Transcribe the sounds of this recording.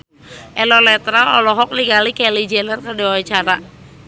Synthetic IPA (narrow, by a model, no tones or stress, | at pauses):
ʔɛlɔlɛt̪ɾalɔ̰lɔɦɔk̚niɡalikɛlid͡ʒɛnərkədɛwawat͡ʃaɾa